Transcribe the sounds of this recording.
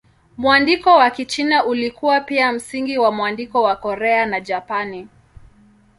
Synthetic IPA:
muandikɔwakit͡ʃinaʔulikuwapiam̩siŋɡiwamwandikɔwakɔɾɛanad͡ʒapani

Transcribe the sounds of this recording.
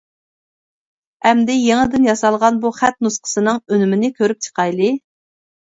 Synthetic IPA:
ɛmd̪ɪjeŋɨd̪ɪnjɑsɑlˠʁɑnbuχæt̪̚nusqʰə̥sɨnɨŋønymɪnɪkʲʰøɾyp̚t͡ʃʰə̥qʰɑjlˠɨ

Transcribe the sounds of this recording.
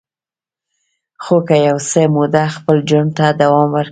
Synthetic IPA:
xokajawsəmod̪axpəld͡ʒaɳt̪ad̪awɑmwəɾk

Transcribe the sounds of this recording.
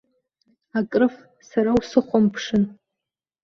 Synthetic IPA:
akʼrɨf | saɾawsɨχʷampʰʂɨn

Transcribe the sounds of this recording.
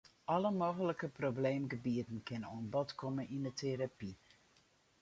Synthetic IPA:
ʔɔləmoːɣələkəprobleːmɡəbiətən̩kʰɪnoənbɔtkʰɔmənindətʰeɾapi

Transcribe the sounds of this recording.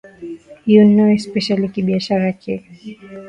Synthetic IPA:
hijɔnnaɛspɛʃalikiɓiaʃaɾakʰɛ

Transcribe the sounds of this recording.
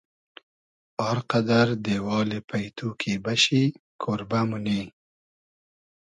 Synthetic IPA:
ɑɾqad̪aɾd̪ewɑːlepʰajt̪ʰukʰibaʃikʰoɾbamʊni

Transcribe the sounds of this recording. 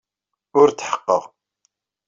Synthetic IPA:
ʊɾt̪ːħə̥qːə̰ʁ

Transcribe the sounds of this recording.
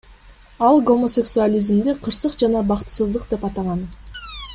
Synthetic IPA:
ɑlˠɡo̞mo̞sʲe̞ksualʲizmd̪eqʰəɾsəqd͡ʒɑnɑbɑqt̪ə̥səzd̪ˠəqd̪e̞pɑt̪ɑlˠʁɑn

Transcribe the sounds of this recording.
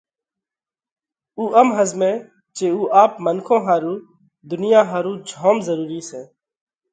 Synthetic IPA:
uːʔəmɦəzmẽː | t͡ʃeːuːʔaːpmənkʰõːɦaːɾuː | d̪ʊnɪjãːɦaːɾũːd͡ʒʱoːmzəɾuːɾiːsẽː

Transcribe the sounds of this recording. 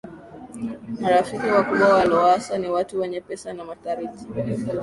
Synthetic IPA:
maɾafikiwakuɓwawalɔasaniwatuwɛɲɛpɛsanamataɾiti̥

